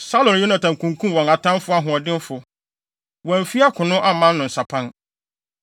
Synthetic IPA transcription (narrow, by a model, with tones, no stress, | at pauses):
sa˦lɔ̃˨njo˦nã˨tʰã˨ŋ˨kʰũ˨ŋ˨kʰũ˦m˨wɔ̃˨ŋa˨tʰã˦m˦fʊ˦a˦ɦʊ̃˨ɔ˨dɪ̃˦n˦fʊ˨ | wɔ̃˨n˨fi˦a˦kʰʊ̃˨nʊ̃˦ʔa˦mã˦nː˦ʊ̃˨n̩˨sa˨pʰã˦n